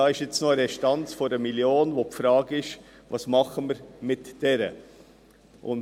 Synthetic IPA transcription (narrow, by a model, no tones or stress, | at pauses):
ɑːɪʃjɪt͡snoəɾɛʃtɑnt͡sfɔɾəmiljoːnʋopfɾɑːɡɪʃ | ʋɑsmɑχəməɾmɪtd̥ɛɾə̰ | ʔʊ̰n